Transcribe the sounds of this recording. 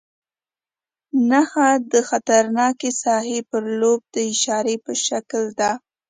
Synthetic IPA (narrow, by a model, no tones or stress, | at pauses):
naxad̪əxat̪aɾnɑkesɑhepəɾlob̚d̪əɪʃɑɾepəʃakld̪a